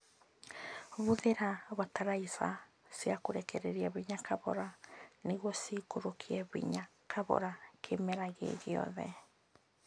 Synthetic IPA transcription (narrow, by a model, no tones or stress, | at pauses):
βuðeɾaβataɾaisa̰ | siakoɾɛkɛɾeɾiaβiɲakʰaβɔ̰ɾaneɣwɔsikoɾokʰiɛβḭɲakʰaβɔ̰ɾakʰemɛɾaɣḛɣeɔ̰ðɛ̰